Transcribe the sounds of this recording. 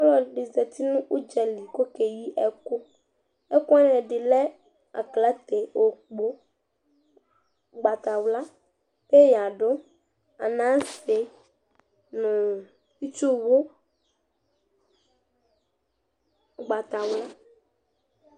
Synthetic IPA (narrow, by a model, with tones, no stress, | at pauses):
ɔ˦lɔ˨ɖe˨zɛ˨t̪i˦nũ˦ʔu˦d͡ʒɛ˨li˨ko˦ke˨ji˦ʔɛ˦ko˦ | ɛ˦kɔ˦a˦nɛ̃˨ɖɪ˨lɛ˦ | a̰˨kla˦t̪e˨o˨k͡po˦ | ɡ͡ba˨t̪a˨wla˦ | pe˦ja˨ɖo˦ | a˨nã˦se˨˦ | nũ˨ | fi˦t͡ʃo˦wo˦ | ɡ͡ba˨t̪a˨wla˦